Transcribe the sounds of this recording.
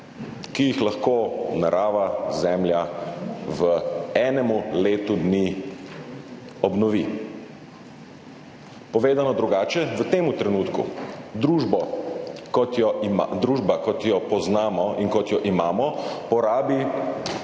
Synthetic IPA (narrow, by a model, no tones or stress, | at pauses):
kijixlaxkoːnaɾʔaːʋazɛmlʲja | ʋəɛːnɛmuleːt̪ud̪ni | ɔbnɔʋi | pɔʋeːd̪anɔd̪ɾuɡaːt͡ʃɛʋət̪eːmut̪ɾɛnuːt̪kṵd̪ɾuːʒbɔkɔt̪jɔimd̪ɾuːʒbakɔt̪jɔpɔznaːmɔinkɔt̪jɔʔimaːmɔpɔɾaːbi